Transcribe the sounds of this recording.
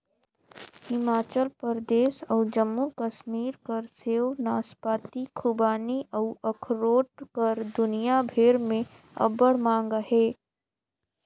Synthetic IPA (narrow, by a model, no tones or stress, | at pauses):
hɪmaːt͡ʃəlpəɾd̪eːsɔːd͡ʒəmːukəʃmiːɾkɐɾseːwnaːspaːt̪ikʰubaːniʔəʊʔɐkʰɾoːʈ̚kəɾd̪ʊnijabʱeːɾmẽ | ɐ̰bəɽmãːŋɡɦeː